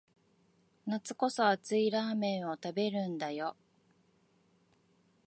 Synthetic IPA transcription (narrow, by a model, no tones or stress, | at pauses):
nat͡sɨ̥ko̞so̞at͡sɨiɾaːmẽ̞ɰ̃o̞t̪abe̞ɾɯ̟̃nd̪ajo̞